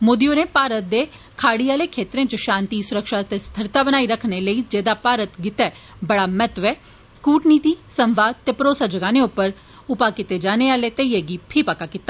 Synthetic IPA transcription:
mʊd̪ijõːneːpaːɾət̪̚d̪eː | kʰaːɽiaːleːkʰeːt̪ɾẽːt͡ʃəʃãːnt̪iːsʊɾəkʃaːt̪est̪ʰəɾt̪abənaːiɾəkʰneləiːd͡ʒeːd̪apaːɾət̪ɡɪt̪ɛː | bəɽaːmɛt̪ʋɛː | kuːʈniːt̪iːsəmʋaːd̪̚t̪eːpəɾoːsad͡ʒəɡaːneʊpːəɾ | ʊpaːkɪt̪ed͡ʒaːneːaːlet̪eieːɡipʰiːpəkakit̪ːaː

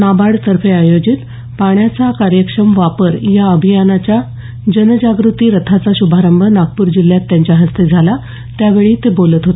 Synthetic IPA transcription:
nabaɽsəɾfʰeajod͡ʑit̪ | paɳ̃jat͡sakaɾjəkʂəmʋapəɾjaəbʱijanat͡ɕja | d͡ʑənd͡ʑaɡɾut̪iːɾət̪ʰat͡saɕubʱaɾəmbʱənaɡ̚puːɾd͡ʑil̤jat̪ːjãɲt͡ɕjaɦəst̪ed͡zʱala | t̪jaʋeɭiːt̪ebolət̪ɦot̪e

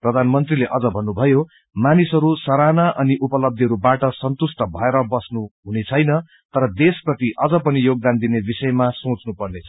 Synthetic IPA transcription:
prʌd̪ʱanmʌnt̪rileʔʌd͡zʌbʱʌnːubʱʌjo | manisʌɾusʌɾanaʔʌniʔupʌlʌb̚d̪ʱiɦʌɾubaʈʌsʌnt̪usʈʌbʱʌeɾʌbʌsnuɦunet͡sʰʌjnʌ | t̪ʌɾʌd̪esprʌt̪iʔʌd͡zʌpʌnijoɡ̚d̪and̪inebisʌjmasõt͡snupʌrnet͡sʰʌ

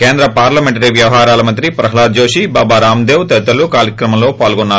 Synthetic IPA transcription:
keːnd̪ɾɐpaːɾlɐmeɳʈɐɾiʋjɐʋɐɦaːɾaːlɐmɐnt̪ɾipɾɐɦɐlaːd͡ʒoːʂibaːbaːɾaːmd̪eːʋt̪ɛd̪ɐlukaːɾjɐkɾɐmɐmlo̞ːpaːlɡɔnːaː

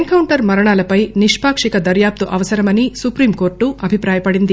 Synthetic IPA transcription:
ŋkɐwɳʈɐɾmɐɾɐɳaːlɐpɐjniʂpaːkʂikɐd̪ɐɾjaːp̚t̪uʔɐʋɐsɐɾɐmɐnisupɾiːmko̞ːɾʈːuʔɐbʱipɾaːjɐpɐɽind̪i

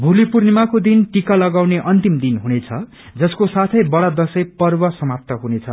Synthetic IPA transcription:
bʱulipurnimakod̪inʈikalʌɡawneʔʌnt̪imd̪inɦunet͡sʰʌ | d͡zʌskosat̪ʰʌjbʌɽʌd̪ʌsʌjpʌrbʌsʌmap̚t̪ʌɦunet͡sʰʌ̰

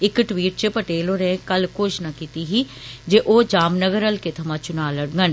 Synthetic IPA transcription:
ɪkʈwiːʈ̚t͡ʃepəʈeːloɾẽkɐlkoʃnakiːt̪iɦi | d͡ʒeʔoːd͡ʒaːmnəɡəɾəlket̪ʰɐmãːt͡ʃʊnaːləɽɡən

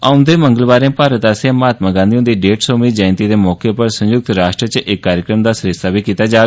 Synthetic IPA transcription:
aʊ̃nd̪eːmə̃ŋɡəlbaːɾẽːpaːɾət̪aːsjãːmaːt̪mãːɡãːnd̪iõːnd̪iːɖeːʈsoːmiːd͡ʒãːɪ̃nt̪iːd̪eːmɔːkepəɾsə̃ɲjʊk̚t̪ɾaːʃʈɾət͡ʃʔɪkːaːɾjəkɾəmd̪aːsəɾɪst̪aːbʱiːkiːt̪aːd͡ʒaː

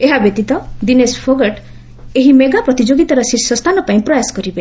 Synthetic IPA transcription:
eɦabjet̪it̪ɔd̪inespʰoɡeʈ | eɦimeɡapɾɔt̪id͡ʒoɡit̪aɾɔsisɔst̪ʰanɔpaĩpɾɔjasɔ̥kɔɾibe

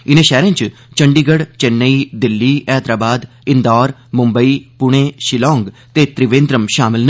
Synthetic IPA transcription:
ɪnẽːʃɛːɾẽːt͡ʃ | t͡ʃəɳɖiːɡəɽt͡ʃɛnːəiːd̪ɪlːiːʔɛːt̪ɾaːbaːd̪ | ɪ̃nd̪ɔːɾ | mʊmbəiːpʊɽ̃eːʃɪlɔ̃ːŋɡ | t̪eːt̪ɾɪʋẽːnd̪ɾəmʃaːmɪln

